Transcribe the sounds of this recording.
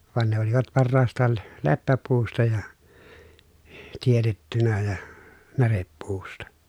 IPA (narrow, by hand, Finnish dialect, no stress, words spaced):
ʋɑn ne oliʋɑt pɑrːɑːstˑɑːl l lepːæpuːstɑ jɑ tietetːynæ jɑ nærepːuːstɑ